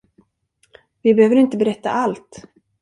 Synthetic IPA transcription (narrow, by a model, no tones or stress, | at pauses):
vɪbɛhøːvəɾɪnt̪əbɛɾɛt̪ːa̰ʔalt̪